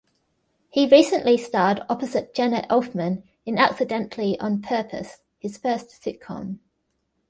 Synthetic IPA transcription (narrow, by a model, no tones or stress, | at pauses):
hiɹiˑsə̃nʔlistɑːˑdɒpəzɪʔ̚d̥ʒ̥ɛnəʔɛlfmə̃n | ɪ̃na̰ksɪdɛ̃nʔliʔə̃npʰɜˑpʰə̰s | hɪz̥fɜˑstsɪʔkʰɒ̰̃m